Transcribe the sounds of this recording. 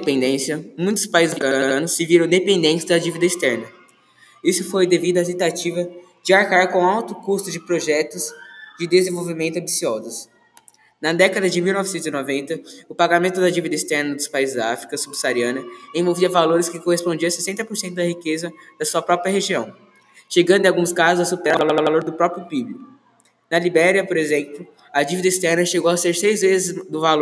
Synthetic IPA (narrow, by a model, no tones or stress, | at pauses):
pẽnd̪ẽsjɐmũj̃t̪ʊ̥spaizɪzfkɐɐ̃nʊsːɪviɾɐ̃d̪epẽnd̪ẽnt͡ʃɪzd̪ɐd͡ʒivid̪ɐist̪ɛɾnɐ | isʊfojd̪evid̪ʊɐt̪ẽt̪at͡ʃivɐ | d͡ʒɪaɾkaɾkõawt̪ʊkust̪ʊd͡ʒɪpɾoʒɛt̪ʊzd͡ʒɪd̪ezẽvowvimẽt̪ʊɐ̃mbisiɔzʊs | nɐd̪ɛkɐd̪ɐd͡ʒɪmiwnɔvɪsẽt̪ʊzinovẽnt̪ɐʊpaɡamẽnt̪ʊd̪ɐd͡ʒivid̪ɐist̪ɛɾnɐd̪ʊspaizɪzd̪ɐaafɾikɐsubsaɾiɐ̃nɐẽj̃voviɐvaloɾɪskɪkohespõd͡ʒiɐ̃sesẽnt̪ɐpoɾsẽnt̪ʊd̪ɐhikezɐd̪̥ɐsuɐpɾɔpɾiɐɦeʒiɐ̃w̃ | ʃeɡɐ̃d̪ʊɪ̃awɡũskazʊzɐsupeɾalalaloloɾd̪ʊpɾɔpɾjʊpiblikʊ | nɐlibɛɾiɐpoɾezẽplʊ | ɐd͡ʒivid̪ɐist̪ɛɾnɐʃeɡowɐseɾsejzvezɪzd̪ʊvalo